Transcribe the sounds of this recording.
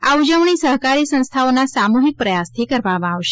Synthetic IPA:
aud͡ʒəʋɳ̃isəɦkaɾisə̃nst̪ʰaonasamuɦik̚pɾəjast̪ʰikəɾʋamãaʋʃe

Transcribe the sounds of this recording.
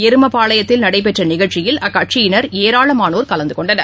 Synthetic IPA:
ɛɾɯmɐpaːɭɐjɐt̪ːɪlnɐɽɐɪp̬ɛʈrɐnɪɣɐɭt͡ʃɪjɪlɐkːɐʈt͡ʃɪjɪnɐɾeːɾaːɭɐmaːnoːɾkɐlɐnd̪ɯkɔɳɖɐnɐɾ

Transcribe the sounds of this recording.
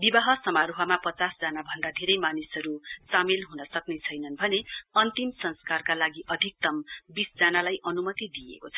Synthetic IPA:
bibaɦʌsʌmaɾuɦʌmapʌt͡sasd͡zanabʱʌnd̪ad̪ʱeɾʌjmanisʌɾusamilɦunʌsʌknet͡sʰʌjnʌnbʱʌneʌnt̪imsʌnskarkalaɡiʔʌd̪ʱik̚t̪ʌmbisd͡zanalajʔʌnumʌt̪id̪ijḛkot͡sʰʌ

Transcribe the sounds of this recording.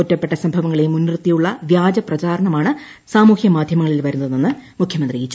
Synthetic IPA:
otːɐpːeʈːɐsɐmbʱɐʋɐŋːɐɭejumunːirt̪ːijuɭːɐʋjaːd͡ʑɐprɐt͡ɕaːɾɐɳɐmaːɳɨ | saːmuːhjɐmaːd̪ʱjɐmɐŋɐɭilʋɐɾunːɐðnːenːɨmukʰjɐmɐnd̪riɡit͡ɕːu

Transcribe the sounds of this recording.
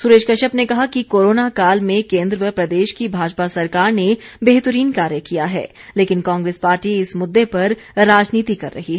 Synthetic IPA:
sʊɾeːʃkɐʃəbnekɐɦakikoːɾoːnakaːlmẽkẽːnd̪ɾəpɾɐd̪eːʃkibʱaːd͡ʒpasɐɾkaːɾnebeːɦt̪əɾiːnkaːɾjəkijaɦɛ̰ːleːkɪnkãːŋɡɾeːspaːɾʈiɪsmʊd̪ːepɐɾ | ɾaːd͡ʒniːt̪ikɐɾːɐ̰ɦiɛ

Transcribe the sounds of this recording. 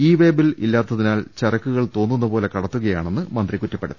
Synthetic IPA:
iːʋe̞ːbililːaːt̪ːɐðinaːlt͡ɕɐrɐkːuɣɐɭt̪o̞ːnːunːɐpo̞ːle̞kɐɽɐt̪ːuɣɐjaːɳe̞nːɨmɐnd̪rikutːɐpːeɽuː

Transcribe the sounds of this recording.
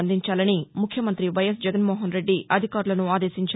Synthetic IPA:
nd̪iɲt͡ʃaːlɐnimukʰjɐmɐnt̪ɾiʋɐjɐs̬d͡ʒɛɡɐnmoːɦɐnɾe̞ɖːiɐd̪ʱikaːɾulɐnuaːd̪e̞ːsiɲt͡ʃ

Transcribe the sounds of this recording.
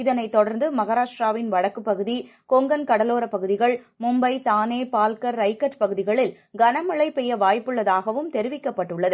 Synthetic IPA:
ɪðɐnɐɪt̪ːɔɽɐɾnd̪ɯmɐɣɐɾaːʂɾaːʋɪnʋɐɻɐkːɯpːɐɣɯðikɔŋɡɐnkɐɽɐloːɾɐpɐɣɯðɪɣɐɭ | mʊmbɐɪt̪aːneːpaːlkɐɾːɐɪkːɐʈpɐɣɯðɪɣɐɭɪl | ɡɐnɐmɐɭɐɪpːɛjːɐʋaːjpːɯɭːɐðaːɣɐʋɯmt̪ɛɾɪʋɪkːɐpːɐʈːɯɭːɐðɯ

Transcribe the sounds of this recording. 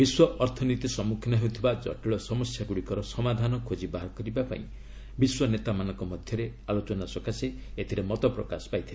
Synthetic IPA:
biswɔʔɔɾt̪ʰɔnit̪isɔmukʰinɔɦewt̪ʰibad͡ʒɔ̰ʈiɭɔsɔmɔsjaɡuɽikɔɾɔsɔmad̪ʱanɔkʰod͡ʒibaɦɾɔkɔɾibapa̰ĩ | biswɔnet̪amanɔ̃ŋkɔmɔd̪ʱjɔɾealot͡ʃɔnasɔkase | et̪ʰiɾemɔt̪ɔpɾɔkasɔ̥pajt̪ʰile

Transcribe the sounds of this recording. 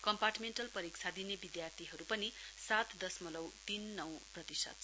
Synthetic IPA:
kʌmparʈmeɳʈʌlpʌɾik̚t͡sʰad̪inebid̪jart̪ʰiɦʌɾupʌnisat̪d̪ʌsmʌlʌwt̪inːʌw̃prʌt̪isʌ̰t̪̚

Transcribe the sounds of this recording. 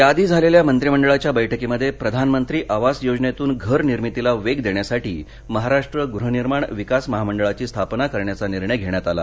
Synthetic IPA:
jad̪iːd͡zʱaleljamənt̪ɾiməɳɖəɭat͡ɕjabəjʈʰəkiməd̪ʱːjepɾəd̪ʱanmənt̪ɾiːʔaʋasjod͡ʑnet̪uːnɡʱəɾniɾmit̪ilaʋeɡd̪eɳjasaʈiː | məɦaɾaʂʈɾəɡuɾuɦəniɾmaɳʋikasməɦaməɳɖəɭat͡ɕiːst̪ʰapnakəɾɳjat͡saniɾɳəjɡʱeɳjat̪ala̰

